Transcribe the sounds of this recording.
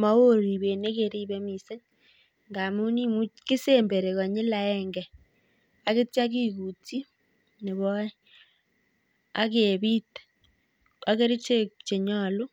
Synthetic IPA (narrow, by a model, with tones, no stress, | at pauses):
ma˦wo˦ɾi˨βe˨ne˦ke˨ɾi˦βe˦mi˨se˦ɲ | ŋɡa˨mu˦ni˦mu˦ki˦se˦mbe˨ɾe˨ka˨ɲɪ˦la˨ɛŋɡɛ˨ | a˨ke˦t͡ʃa˦ki˦ku˨ti˦ | ne˨βɔ˦i˦ | a̰˦ke˨βi˦t | a˦ke˦ɾi˦t͡ʃe˦t͡ʃe˨ɲa˦˨lu˦